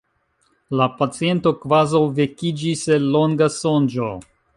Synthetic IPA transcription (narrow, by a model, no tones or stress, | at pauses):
lapat͡sie̞nto̞kvazawvekid͡ʒiselo̞ŋɡaso̞nd͡ʒo